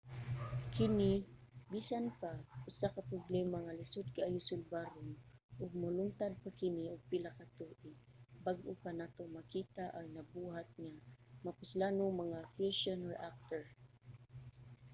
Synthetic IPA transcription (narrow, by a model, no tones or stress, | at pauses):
kɪnibiːsanpaʔʊsakapɾoblɛmaŋalɪsʊd̪̚kaʔajʊsʊlbaɾʊnʔʊɡ̚mʊlʊŋt̪ad̪̚pakɪniʊɡ̚pɪlakat̪oʔɪ | baɡʔʊpanat̪oŋmakiːt̪aʔaɡnɐbuːɦat̪̚ŋamapʊslaːnoŋmɐŋafɛʃonɔɹʔak̚t̪ɛɹ